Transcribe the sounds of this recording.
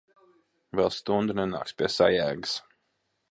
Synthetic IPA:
vɛlˠst̪und̪unɛna̰ːkspʲiɛsa̰jæːɡɨs

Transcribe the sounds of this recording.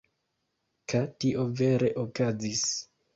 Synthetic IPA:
katiʔo̞ve̞ɾe̞ʔokazis

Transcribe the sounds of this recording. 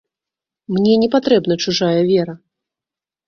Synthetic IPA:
mnʲɛnʲɛpat̪ɾɛbn̪ɐt͡ʂuʐajɐvʲɛɾɐ

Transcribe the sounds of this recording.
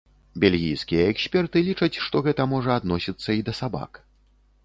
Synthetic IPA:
bʲelʲɣʲijskʲijɐɛksʲpʲɛrt̪ɨlʲit͡ʂɐt͡sʲʂt̪ɔɣɛt̪ɐmɔʐɐad̪nɔsʲit̪sːɐid̪ɐsaba̰k

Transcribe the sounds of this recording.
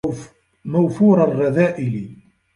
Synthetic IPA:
mæwfuɾˤalɣaðæːʔɪli

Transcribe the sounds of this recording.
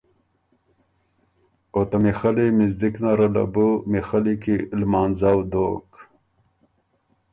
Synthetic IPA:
ot̪amixalimizd̪iknaɾala̰bumixalikilmaːnzawd̪o̰ːk

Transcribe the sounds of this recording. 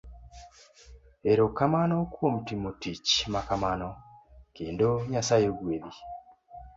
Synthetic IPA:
eɾokamanokwom̩timutit͡ʃmakamanokeːndoɲasajeɡweði

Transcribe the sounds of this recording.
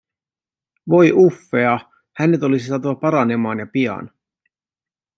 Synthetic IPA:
ʋo̞jʔufːe̞ɑ | hænet̪o̞lisisɑːt̪uʋɑpɑɾɑne̞mɑːnjɑpiɑ̰n

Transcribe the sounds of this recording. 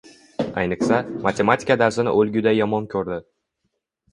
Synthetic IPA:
ajnɪqsamat̪ʰʲe̞mat̪ʰʲi̥kad̪aɾsɪnɪ̰ʔɵlɡʲʊd̪ajɒmɒnkʲʰɵɾd̪ɪ

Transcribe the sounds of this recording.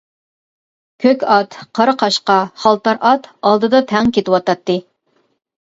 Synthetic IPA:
kʲʰøkʲɑt̪qʰɑɾɨqʰɑʃqɑχɑlˠt̪ɑɾʔɑt̪ɑlˠd̪ɨd̪ɑt̪ʰɛŋkʲet̪ɪwɑt̪ɑt̪ːɨ

